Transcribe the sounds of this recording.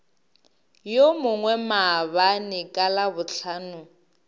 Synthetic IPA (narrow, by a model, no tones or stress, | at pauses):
jomʊŋwɛmaβanɪkʼalabʊɬʰaːnʊ